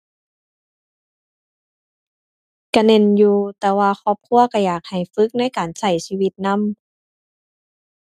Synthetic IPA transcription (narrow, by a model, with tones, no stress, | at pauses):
ka˧˩ne˧˨njuː˧t̪ɛː˧waː˧xɔː˧˩p̚kʰu˧˥˨ɐka˧˩jaː˨˩k̚ha˨˩jfɯ˧˦˥k̚na˧˥˨jkaː˨˩nsa˧˩jsiː˧wi˧t̪̚na˧˥˨m